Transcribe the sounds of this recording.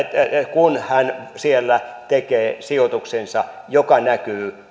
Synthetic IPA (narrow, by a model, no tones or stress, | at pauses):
kunhænsielːæt̪ekeːsiot̪uksensɑ | jokɑnækyː